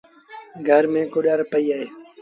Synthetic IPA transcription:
ɡʱəɾmẽːkoːɗaːɾpəiːaːɦeː

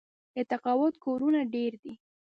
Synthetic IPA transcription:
ɪt̪aqɑwʊt̪koɾunaɖeɾd̪i

